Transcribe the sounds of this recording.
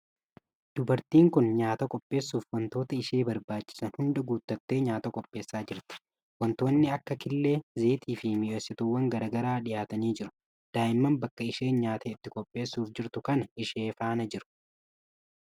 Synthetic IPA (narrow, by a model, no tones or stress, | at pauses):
d̪̥ʊbɐɾt̪iːŋkʊnɲaːt̪ɐkʼɔpʼːe̞ːsːuːfwɐnt̪o̞ːt̪ɐɪʃeːbɐɾbaːt͡ʃːɪ̥sɐnhʊnd̪ɐɡuːt̪ːɐt̪ːe̞ːɲaːt̪ɐkʼɔpʼːe̞ːsːaːd͡ʒɪɾt̪ɪ̥ | wɐnt̪o̞ːnːɪɐkːɐkɪlːe̞ːze̞ːt̪iːfɪmɪʔɔsːɪt̪ʊwɐŋɡɐɾaːɡɐɾaːᶑɪjaːt̪ɐniːd͡ʒɪɾʊ̥ | d̪̥aːʔɪmːɐmbɐkːɐɪʃeːnɲaːt̪ɐɪt̪ːɪkʼɔpʼːe̞ːsːuːfd͡ʒɪɾt̪ʊkɐnɐɪʃeːfaːnɐd͡ʒɪɾʊ̥